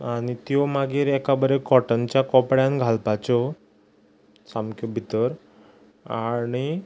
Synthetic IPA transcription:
aɽ̃it̪jɔmaɡiːɾɛkabəɾekɔʈənt͡ɕjakɔpɽjãnɡʱalpat͡ɕɔ | samkʰjɔbʱit̪əɾ | aɽ̃i

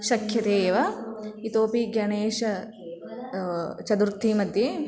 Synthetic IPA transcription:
ʃɐkʰjɐt̪eːʋɐit̪oːpiɡɐɳeːʃɐ | t͡ʃɐd̪uɾt̪ʰːimɐd̪je

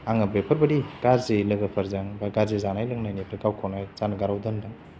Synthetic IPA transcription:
aŋɐbepʰɐɾbɐɾiɡaɾzelɯɡɐpʰɐɾzaŋbaɡaɾzezanajlɯŋnajnipʰɾkawkʰɔnajzanɐɡaɾawdɯndaŋ

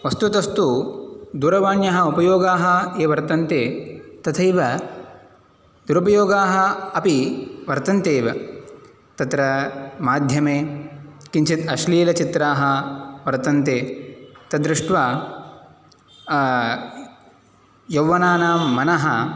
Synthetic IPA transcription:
ʋɐst̪ut̪ɐst̪ud̪uːɾɐʋaːnjɐɦɐupɐjoːɡaːɦɐeːʋɐɾt̪ɐnt̪eːt̪ɐt̪ʰɐjʋɐ | d̪uɾupɐjoːɡaːɦɐ̆ɐpiʋɐɾt̪ɐnt̪eːʋɐ | t̪ɐt̪ɾɐmaːd̪ʱjɐmeːkint͡ʃit̪ɐʃliːlɐt͡ʃit̪ɾaːɦɐ̆ʋɐɾt̪ɐnt̪eːt̪ɐd̪ɾuʂʈʋaː | jɐwːɐnaːnaːmɐnɐɦɐ

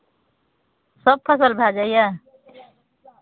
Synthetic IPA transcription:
sʌb̚pʰʌsəlbʱad͡ʒaja

